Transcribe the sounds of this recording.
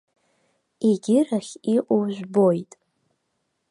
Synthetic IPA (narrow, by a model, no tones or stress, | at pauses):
eɡʲɪraχʲiʔʷʼowʒʷᶣbojtʼ